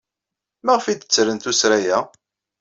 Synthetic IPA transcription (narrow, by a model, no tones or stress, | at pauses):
mæʁfid̪ət͡sːɾənt̪usɾæjæ